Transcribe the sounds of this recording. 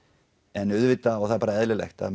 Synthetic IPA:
ɛnʏðvɪt̪aɔɣθaðɾpaːɾaɛðlɪlɛ̰xt̪a̰

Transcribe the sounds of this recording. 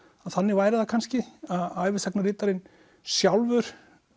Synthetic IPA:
aðθanːɪɣvaːjɾɪðakʰanscɪaðaːjvɪsɛk̚narɪːt̪aɾɪn | sjawlvʏɾ̥

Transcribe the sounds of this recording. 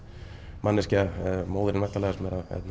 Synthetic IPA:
manːɪscamoːwðɪɾɪnvɛht̪alɛɣasmɛːɾaɛ̰t̪n

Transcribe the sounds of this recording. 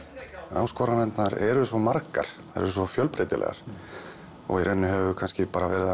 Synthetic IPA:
a̰ːwskɔːɾanɛnt̪naɾɛɾʏsvɔmaɾka̰ɾ̥ | aɾɛ̰ɾʏsvɔfjœlpɾet̪ɪlʔɛ̰ɣa̰ɾ̥ | ɔ̰ɣiɾʔɛnːʏɦɛvʏkʰanscɪpaːɾavɛːɾɪa

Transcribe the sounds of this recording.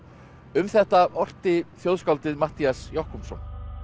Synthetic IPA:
ʏmθɛht̪aɔr̥t̪ɪθjowðskawlt̪ɪðmat̪iasjɔhkumsɔn

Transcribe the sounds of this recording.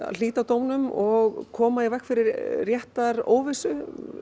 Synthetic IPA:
a̰liːt̪awt̪oːwnʏmɔɣkʰɔːmaɪvɛhkfɪɾɪɾːjɛht̪aɾo̰ːwvɪsʏ

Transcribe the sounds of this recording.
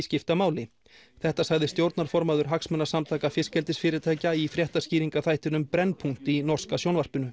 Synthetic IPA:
scɪft̪amaːwlɪ | θɛht̪asaɣðɪst̪jowɾt̪naɾ̥fɔɾmaðʏɾ̥ɦaksmɛnːḁsamt̪ʰaːjkafjɪscɛlt̪ɪsfɪːɾɪt̪ʰaːjcaifɾjɛht̪ḁsciːɾiŋkaθajht̪ɪnʏmpɾɛnːpʰuŋ̥t̪inɔr̥skasjownvar̥pʏnʏ

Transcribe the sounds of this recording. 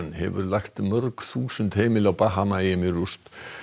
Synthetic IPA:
nhɛ̰vʏ̰ɾlaxt̪mœɾkθuːsʏnt̪heːjmɪlawpaɦamajɪmɪɾust̪

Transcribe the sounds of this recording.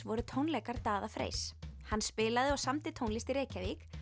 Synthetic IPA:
vɔɾʏt̪ʰownlɛjkaɾ̥t̪aːðafɾḛjshanːspɪːlaðɪɔɣsamt̪ɪt̪ʰownlist̪iɾeːjcavik

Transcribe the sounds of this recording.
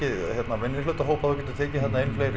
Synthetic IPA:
ɪðçjɛt̪navɛnːjɪlːɥt̪aɦoːwpaðkcɛnt̪ɪ̥t̪ʰeːcɪθɛt̪naejnflejɾ

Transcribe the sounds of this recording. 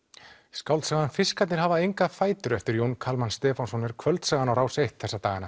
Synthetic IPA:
skawlt̪saːɣanfɪskat̪nɪɾ̥ɦavaejŋkafaːjt̪ʏɾɛft̪ʏɾjownkʰalmanst̪ɛːfawnsɔnːɛɾ̥kʰvœlt̪saːɣanawɾaːwsejht̪̚θɛsːat̪aːɣana

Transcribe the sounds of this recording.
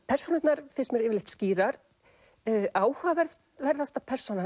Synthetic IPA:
pʰɛr̥sɔnɪt̪naɾ̥θɛsmɛɾɪːvɪlɪht̪sciːɾaɾ̥ | aːwhavɛɾð | vɛɾðast̪apʰɛr̥sɔna

